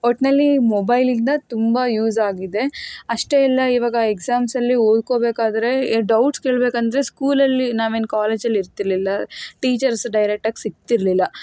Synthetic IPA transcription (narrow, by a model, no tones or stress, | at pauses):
oʈnɐlːimobɐjlind̪ɐt̪umbɐjuːzaːɡid̪e̞ɐʂʈeɛlːɐiʋaːɡɐeksaːmsɐlːioːd̪̚ko̞ːbe̞ːkaːd̪ɐɾe̞ɖɐwʈske̞ːɭbeːkɐnd̪ɐɾe̞skuːlɐlːinaːʋenkaːle̞ːd͡ʒɐlːiɾt̪iɾlilːɐʈiːt͡ʃɐɾsɖɐjɾek̚ʈaːɡesiɡ̚t̪iɾlilːɐ